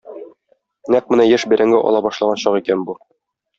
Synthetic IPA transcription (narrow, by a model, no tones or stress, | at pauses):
næq̚mɘ̆næjæʃbæɾʔæŋɡɘʔɒ̰lˠɑbɒʃlˠɑʁɑɕɒʁikænbu